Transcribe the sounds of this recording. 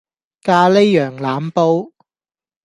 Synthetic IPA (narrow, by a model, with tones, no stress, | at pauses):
kaː˧le˥jːœː˨˩ŋlaː˨˥mpo˧w